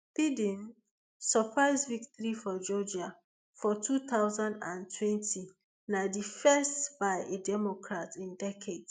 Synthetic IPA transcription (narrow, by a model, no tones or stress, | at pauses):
pidĩn | sɔpʰɹaɪzviktɔɹifɔd͡ʒɔd͡ʒa | fɔtʰut̪aʊzãndã̰ntʰwɛ̃ntʰi | nadifɛstb̥aɪedɛmokʰɹatĩndɛkʰed